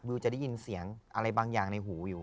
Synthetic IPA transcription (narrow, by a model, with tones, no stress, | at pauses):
wi˧wt͡ɕa˨˩da˥˩ji˧nsi˩˦əŋʔa˧ɾa˧jbaː˧ŋjaː˨˩ŋna˧jɦuː˩˦juː˨˩